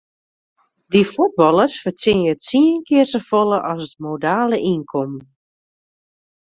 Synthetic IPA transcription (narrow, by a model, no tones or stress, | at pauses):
difud̚bɔlˠərsfərt͡sɪnəətsiənkɪərsəfolˠəʔɔsətmodaːləʔinkʰɔmn